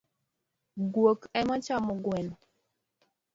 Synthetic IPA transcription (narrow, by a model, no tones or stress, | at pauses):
ɡwokɛmat͡ʃamɔɡwɛn